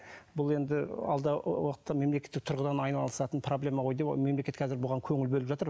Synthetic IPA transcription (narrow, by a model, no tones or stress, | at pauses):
bʊlˠe̞nd̪ɪɑ̰lˠd̪ɑwəqə̥t̪ːɑme̞mlekʲe̞t̪ːɪk̚t̪ʰʊɾʁəd̪ɑnɑjnɑlˠəsɑt̪ənpʰro̞blʲe̞mɑʁo̞jd̪epme̞mlekʲe̞t̪kʰɑzɪɾbʊʁɑŋkʲʰɵŋɪlbɵlɪpʒɑt̪əɾ